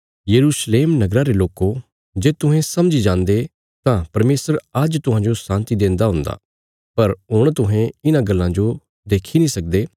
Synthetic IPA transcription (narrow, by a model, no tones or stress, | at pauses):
jɐɾuːsleːmnɐɡɾaɾeloːko | d͡ʒeːt̪ʊɦɛ̃sɐmd͡ʒid͡ʒãːnd̪e | t̪ãpɐɾmeːsəɾəd͡ʒt̪ʊɦãd͡ʒosãːnt̪id̪ẽːnd̪aɦʊ̃nd̪a̰ː | pɐɾɦʊɽ̃t̪ʊɦɛ̃ɪnãɡɐlːãd͡ʒo | d̪eːkʰinĩsɐk̚d̪eː